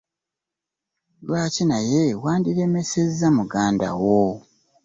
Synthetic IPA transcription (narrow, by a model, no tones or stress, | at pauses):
lwaːcinaje̞waːndiɾe̞me̞sezːamuɡaːnda̰wo